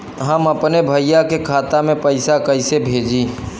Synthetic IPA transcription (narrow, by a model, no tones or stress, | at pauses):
ɦəməpnebʱəjjakekʰaːt̪amẽpɐɪsakɐɪsebʱeːd͡ʒi